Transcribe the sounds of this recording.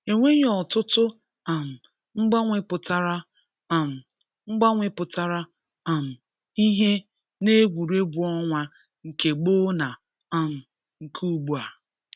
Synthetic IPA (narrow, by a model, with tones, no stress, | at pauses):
e˨ŋʷe˦ɲ˦ɔ˨tʊ˦tʊ˦ | a˨m̩˨ | ŋ͡m̩˦ɡ͡ba˦ŋʷɪ˦pʊ˨ta˦ɾa˦ | a˨m̩˨ | ŋ͡m̩˦ɡ͡ba˦ŋʷɪ˦pʊ˨ta˦ɾa˦ | a˨m̩˨ | i˦ɦe˦ | ne˦ɡʷu˨ɾe˦bu˨ɔ˦ŋʷa˦ | ŋ̩˨ke˨ɡ͡bo˦na˨ | a˨m̩˨ | ŋ̩˨kʰu˦ɡ͡bu˨a˨